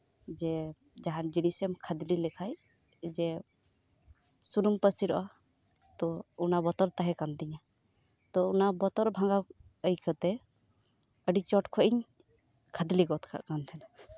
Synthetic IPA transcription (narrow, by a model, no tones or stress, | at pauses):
d͡ʒɛ | d͡ʒaɦand͡ʒinisɛmkʰəd̪lilɛkʰaj | d͡ʒɛ | suɾumpəsiɾɔʔa | t̪ɔunabɔt̪ɔɾt̪aɦɛkand̪iɲa | t̪ɔunabɔt̪ɔɾbʱãŋɡaəjkʰət̪ɛ | əɖit͡ʃɔʈkʰɔʔiɲ | kʰəd̪liɡɔt̪kʰa̰kant̪ʰɛna